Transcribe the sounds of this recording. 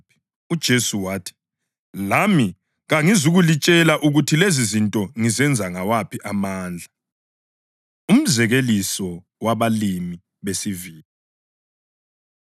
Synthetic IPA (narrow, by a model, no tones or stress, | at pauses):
ud̥ʒ̥ʱesuwaːtʰi̥ | lami | ɣaŋizuɣulit͡ʃʼɛlaʔuɣutʰilezizintʼɔŋizɛnd͡zʱaŋawapʰiʔamaːnd͡ɮʱa | um̩zɛɣelisɔ | waβalimi | βesiviːli